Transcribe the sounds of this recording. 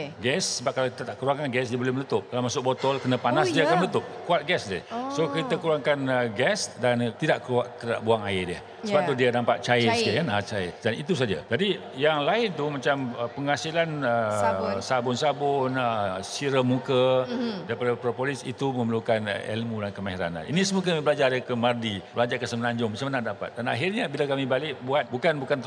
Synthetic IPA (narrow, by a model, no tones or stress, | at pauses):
ɡɛsːəbap̚kalawkit̪at̪aʔkəɾuaŋkanɡɛsdiəbolɛhmənut̪ʊp̚kalamasʊk̚bot̪ɔlkənapanasdiakanmənət̪ʊp̚kuat̪̚ɡɛsda̰sokit̪akuɾaŋkanəɡɛsdant̪idaʔkəuaʔt̪ida̰ʔbuaŋaɪdiə̰ | səbapt̪udianampaʔ̪̚t͡ʃajəsiəkanat͡ʃaɪ̰danit̪us̬ad͡ʒa̰d͡ʒadi | jaŋlaɪnt̪umat͡ʃaməpəŋasilanəsabʊnsabʊnəsiɾəmukədaɾipadapɾopolisḭt̪umə̃məlukan̰ɛ̰lmudankəmaɦiɾa̰na̰nʔḭnisəmukəmibəlad͡ʒarjakəmardibəlad͡ʒarkəsəmənaɲd͡ʒʊŋmasamanãʔdapa̰t̪̚dana̰ɦirɲabilakamĩbalɪʔbuat̪̚bukanbukant̪